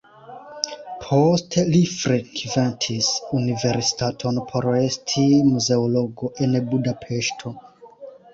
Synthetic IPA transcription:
pʰostʰelifɾekventʰisunive̞ɾsi̥tatʰo̞npʰo̞ɾe̞stʰimuze̞olo̞ɡo̞ʔe̞nbudapʰe̞ʃtʰo̞

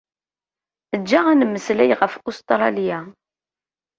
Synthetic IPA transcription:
əd͡ʒːaʁænəmːəslæjʁəfust̪ɾˤɑlija

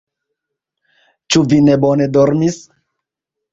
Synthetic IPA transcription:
t͡ʃuvinebone̞doɾmis

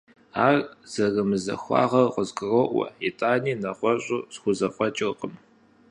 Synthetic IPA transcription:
aːrz̥ɐrɨmɨzɐ̰xʷɑ̰ːʁɐrqʷʼɔzɡʼɨroʔʷɐ̰itʼaːniːnɐχʷɔɕʼusxʷʊzɐfʷʼɔt͡ʃʼɪqʼəm

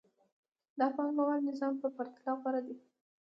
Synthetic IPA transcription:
d̪əafɣɑnmawad̪nɪzɑmpəpaɾt̪ɪlɑɣwɑɾad̪i

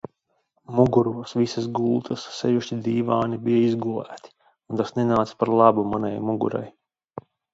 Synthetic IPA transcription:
muɡuɾuɔsʋisasɡulˠt̪ʰasːɛjuʃt͡ʃid̪iːʋaːnibijaizɡulˠæ̰ːt̪i̥ | unt̪asnenaːt̪si̥spaɾlˠɑbumana̰jmuɡṵɾa̰j

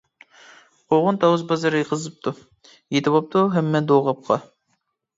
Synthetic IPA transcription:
qoʁʊnt̪ʰɑwɨzbɑzɑɾɨjeqʰəzɨp̚t̪ʰu | jet̪ʰɪbɑp̚t̪ʰuɦɛmːɛd̪oʁɑp̚qʰɑ

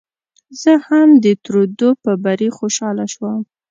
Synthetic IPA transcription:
zəhamd̪ət̪ɾod̪opəbaɾixoʃɑlaʃwəm

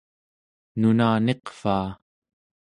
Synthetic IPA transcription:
nunaːne̞qfaː

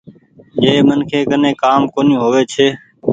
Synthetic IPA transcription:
d͡ʒeːmənkʰeːkənẽːkaːmkoːnĩːɦoːʋeːt͡ʃʰeː

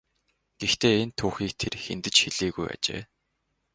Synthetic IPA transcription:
ɡ̥ext̪eːent̪ʰuːxiːk̚t̪ʰerxḛnt̪ɘ̆t͡ɕxeɮiːɣuja̰t͡ɕḛː

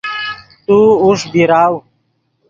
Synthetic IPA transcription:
t̪uːuʂbiɾaːw

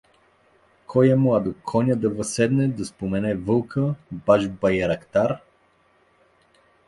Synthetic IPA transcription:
kʰɔjɛmɔad̪okʰɔnʲəd̪ɐvɐsɛd̪nɛd̪ɐspomɛnɛvɤlˠkəbaʒbɐjɛɾɐkt̪aɾ

